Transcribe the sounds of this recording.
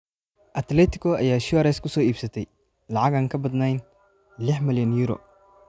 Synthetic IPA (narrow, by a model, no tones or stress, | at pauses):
ʔɐt̪lɛt̪ʰɪ̥kʰɔʔɐjaːʃʊɐɾɛskʰʊsɔːiːbsɐt̪ʰɛj | lɑʕɑɡaːŋkʰɐbɐd̪nɛjn | lɪħmɪljɐnjuɾɔ̰